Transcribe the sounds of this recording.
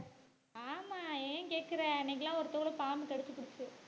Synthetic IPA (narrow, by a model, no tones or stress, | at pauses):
aːmaːeːkeːʈ̚kɪɾɐːnːeːŋɡɐlːãːɔɾɯt̪ɔɣɐɭɯpaːmikɐɽɯt͡ʃːɯpːʊɽɯt͡ʃːɯ